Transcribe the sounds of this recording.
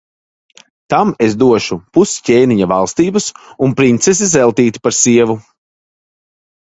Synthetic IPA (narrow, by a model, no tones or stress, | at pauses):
t̪amezd̪uɔʃupusceːniɲavalˠst̪iːbɐsunpɾint̪ses̬izɛlˠt̪iːt̪i̥paɾsiɛvu